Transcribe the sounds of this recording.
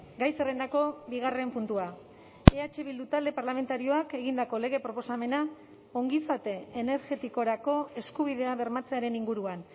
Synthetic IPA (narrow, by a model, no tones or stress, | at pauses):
ɡajserend̪ako̞biɣ̞are̞mpunt̪ua | e̞at͡ʃe̞βild̪ut̪ald̪eparlame̞nt̪aɾio̞ake̞ɣind̪ako̞le̞ɣ̞e̞pɾo̞po̞same̞na | o̞ŋɡisat̪e̞ːne̞ɾɣe̞t̪iko̞ɾako̞e̞skuβ̞iðe̞aβe̞ɾmat͡se̞aɾe̞niŋɡuɾuan